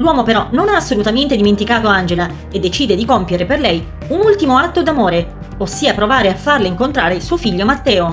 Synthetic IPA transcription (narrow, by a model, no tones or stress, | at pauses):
lwɔːmopeɾɔnonaːsːolut̪ament̪ed̪iment̪ikaːt̪oand͡ʒela | ed̪ːet͡ʃiːd̪ed̪ikompjeɾeperlɛj | unult̪imoat̪ːod̪amoːɾe | osːiːapɾovaːɾeafːarleiŋkont̪ɾaːɾesuːofiʎːomat̪ːɛːo